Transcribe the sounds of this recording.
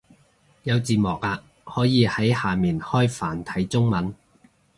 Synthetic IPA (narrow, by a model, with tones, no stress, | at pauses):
jɐ˨˧wt͡siː˨mɔː˨k̚aː˧ | hɔː˨˥jiː˨˧hɐ˨˥jhaː˨miː˨nhɔː˥jfaː˨˩nt̪ʰɐ˨˥jt͡sʊ˥ŋmɐ˨˥n